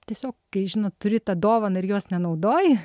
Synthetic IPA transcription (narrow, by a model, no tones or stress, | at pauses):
tʲiɛsʲoːkkɐɪʒʲɪnoːtt̪ʊɾʲɪt̪ɑd̪oːʋɐnɐɪɾjoːsnʲɛnɐʊd̪oːjɪ